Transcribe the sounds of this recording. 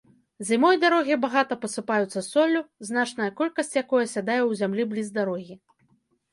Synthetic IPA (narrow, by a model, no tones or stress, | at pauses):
zʲimɔjd̪aɾɔɣʲibaɣat̪ɐpɐsɨpajut̪sːɐsɔlʲːuznat͡ʂnɐjɐkɔlʲkɐsʲt͡sʲjakɔjɐsʲad̪ajɛwzʲamlʲiblʲizd̪aɾɔɣʲi